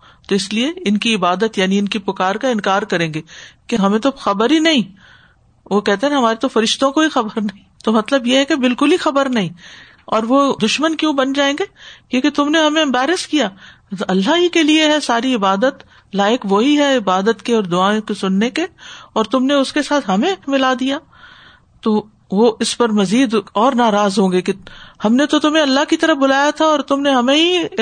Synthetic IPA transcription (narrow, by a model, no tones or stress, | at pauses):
t̪oɪslieɪnkiɪbaːd̪ət̪jaːniɪnkipʊkaːɾkaɪ̃nkaːɾkɐɾẽːŋɡeːkeɦɐmẽt̪oxɐbəɾɦinɐɦĩ | ʋokɛɦt̪eɦɛ̃ɦɐmaːɾet̪ofɐɾɪʃt̪õkoɦixɐbəɾnɐɦĩt̪omɐt̪ləbjeɦɛkebɪlkʊlixɐbəɾnɐɦĩː | ɔːɾʋod̪ʊʃmənkjõːbɐnd͡ʒaːẽːŋɡekeket̪ʊmneɦɐmẽɪ̃mbɛːɾɪskijaː | ɐlːaɦikelieɦɛsaːɾiɪbaːd̪ət̪ | laːjɪkʋoɦiɦɛɪbaːd̪ət̪keɔːɾd̪ʊaːõkesʊnːekeɔːɾt̪ʊmneʊskesaːt̪ʰɦɐmẽmɪlaːd̪ijaː | t̪o | ʋoʔɪspɐɾmɐziːd̪ɔːɾnaːɾaːzɦõːɡekehɐmnet̪ot̪ʊmɦẽɐlːaɦkit̪ɐɾəfbʊlaːjat̪ʰaɔːɾt̪ʊmneɦɐmẽɦi